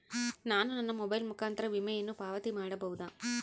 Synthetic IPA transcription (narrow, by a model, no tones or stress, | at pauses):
naːnunɐnːɐmɔbɐjlmukaːnt̪ɐɾɐʋimɐjɐnːupaːʋɐt̪imaːɽɐbɐʋud̪aː